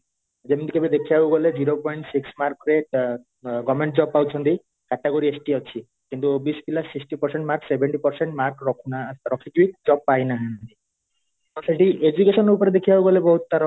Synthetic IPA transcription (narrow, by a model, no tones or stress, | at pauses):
d͡ʒemnd̪ikʰebid̪ekʰijauɡɔled͡ʑiɾopɔiɳʈsiksmaɾkɾeʈ | ɡɔmeɳʈ̚d͡ʒɔb̚pawt͡ʃʰɔnt̪i | kaʈeɡoɾiesʈiɦɔt͡ʃʰi | kint̪ubisbilasːiksʈipɔɾseɳʈmaɾksebeɳʈipɔɾseɳʈmaɾkɾɔkʰunaɾɔkʰid͡ʒuik̚d͡ʒɔb̚pajnaɦɛnd̪i | t̪ɔseʈiʔed͡ʒukeʃɔneɾupɔɾed̪ekʰijabuɡɔlebɔɦut̪t̪aɾɔ